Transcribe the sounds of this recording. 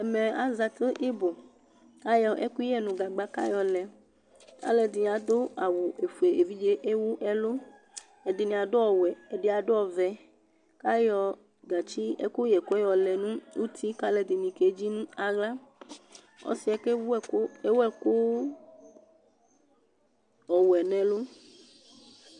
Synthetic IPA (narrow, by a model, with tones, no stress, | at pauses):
ɛ˨mɛ˨a˨˦za˨t̪e˦ʔi˦bo˨ | ka˦jɔ˨ʔe˦ku˦jɛ˦nũ˨ɡa˨ɡ͡ba˨ka̰˦jɔ˨lɛ˨ | ka̰˦lɛ˨d̪i˨a˨d̪o˦a˨wu˨e˨fu˨e˨ʔe˨vi˦d͡ʒe˦ʔe˦wu˦ʔɛ˦lo˦ | ɛ˨di˨nĩ˨a˨do˦ɔ˨wɛ˨ɛ˨ɖe˦a˨ɖo˦ɔ˨vɛ˨ | ka˦jɔ˨ | ɡa˨t͡ʃi˦ɛ̰˦ko˦jɛ˨ko˦ɛ˦jɔ˨lɛ˨nũ˦wu˦t̪ʰi˦ka˦lɛ˨d̪i˨nĩ˨ke˨˦d͡ʒi˦nũ˦a˨ɡla˦ | ɔ̰˦si˦ɛ˨ke˦wo˦e˦wɛ˦ko˦ | ɔ˨wɛ˨nɛ̃˨lo˦